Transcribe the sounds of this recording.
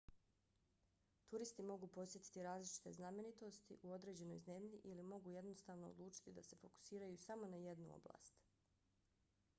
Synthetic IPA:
t̪uɾist̪imo̞ɡuːpo̞sje̞t̪i̥t̪iɾaːzlit͡ʃi̥t̪e̞zname̞nit̪o̞st̪ḭʔuo̞d̪ɾe̞ːd͡ʑe̞no̞̰jze̞mʎiʔilimo̞ɡuje̞d̪no̞st̪aːʋno̞o̰d̪lˠuːt͡ʃi̥t̪id̪ase̞fo̞ku̥siːɾajusamo̞naje̞d̪nuo̰bla̰ːst̪

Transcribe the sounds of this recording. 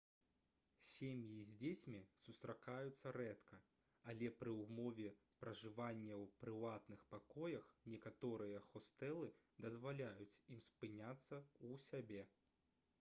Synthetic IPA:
sʲemʲjizʲd͡zʲet͡sʲmʲisust̪ɾakajut̪sːɐɾɛt̪kʰɐ | alʲɛpɾɨwmɔvʲɛ | pɾɐʐɨvanʲːɛwpɾɨvat̪nɨxpakɔjɐxnʲɛkat̪ɔɾɨjɐxɔst̪ɛlˠɨ | d̪ɐzvalʲajut͡sʲimspɨnʲat̪sːɐusʲabʲɛ

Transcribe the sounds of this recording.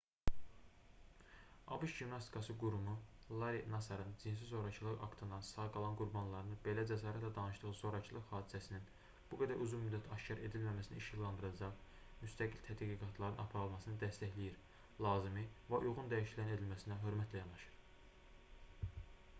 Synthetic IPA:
ɑ̰buʃʒimnɑst̪i̥kʰɑsɯɡuɾumulˠɑɾinɑsɑɾɯnd͡ʒinsizo̞ɾɑt͡ʃʰɯlˠɯɣɑ̰kt̪ʰɯnd̪ɑnsɑɡɑlˠɑnɡuɾbɑnlˠɑɾɯnɯbe̞læd͡ʒæsɑːɾæt̪læd̪ɑnɯʃd̪ɯʁɯzo̞ɾɑt͡ʃʰɯlˠɯχhɑːd̪isæsinin | b̥uɡæd̪æɾʔuzunmyd̪ːæt̪ʰɑʃcʰɑɾʔe̞d̪ilmæmæsinæ̰iʃjilːˠɑnd̪ɯɾɑd͡ʒɑʁ | myst̪ʰæɡilt̪ʰæd̪ɡiɡɑt̪ʰlˠɑɾɯnɑpʰɑɾɯlˠmɑsɯnɯd̪æst̪æçlijiɾ | lˠɑːzimivæʔujʁund̪æjiʃilæne̞d̪ilmæsinæɦø̞ɾmæt̪ʰlæjɑnɑʃɯ̥ɾ

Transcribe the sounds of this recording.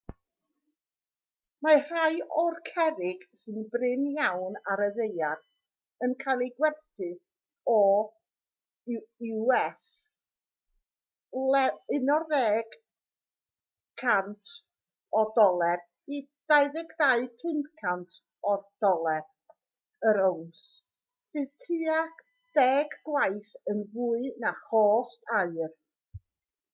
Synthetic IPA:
mar̥ajɔrkʰɛɾɪɡ̥sɨnbrɪnjawnaɾəðejad̥ | ənkʰajlˠiɡwɛrθɨ | ɔ | ɪɛs | lɛɪnɔrðɛːɡ̥ | kʰːantʰ | ɔdɔlˠɛr | id̥aɨðɪɡʰðaɨkʰɪndkʰantʰ | ɔd̥ɔlˠɛ | əɾowns | sɨðtʰɨːaχ | d̥ɛɡɡwajθənvuːɨnahɔːstaɨr

